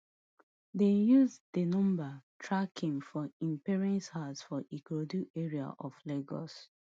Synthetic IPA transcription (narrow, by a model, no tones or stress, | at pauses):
dejuzdenɔ̃mbatʰɹakʰĩŋfɔĩmpɛɹɛ̃nshadsfɔʔikodueɹia̰ʔɔfleɡɔ̰s